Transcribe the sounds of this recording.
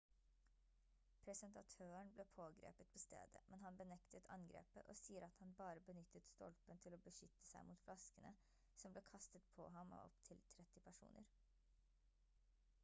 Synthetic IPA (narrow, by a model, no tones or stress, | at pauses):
pʰɾɛsənt̪ɑt̪ʰøːəɳbleːpʰoːɡɾḛːpət̪̚bəst̪ḛːd̪ə̰mʔɛnhɑnbənɛkt̪ət̪ʰɑ̰ŋɡɾḛːpə̰ʔɔsiːəɾɑt̪hɑnbɑːɾəbənʏt̪ːət̪st̪ɔ̰lpənt̪ʰɪloːbəʃʏt̪ːə̥sæɪmuːt̪flɑskənə | sɔmbleːkʰɑst̪ət̪pʰɔ̰ɦɑmo̰ɔ̰pt̪ʰɪlt̪ʰɾɛt̪ːɪpʰæʂṵːnə̰ɾ